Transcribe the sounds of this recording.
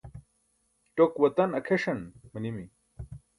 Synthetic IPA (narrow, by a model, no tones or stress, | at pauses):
ʈokwɐt̪ɐnɐkʰeʂɐnmɐnimi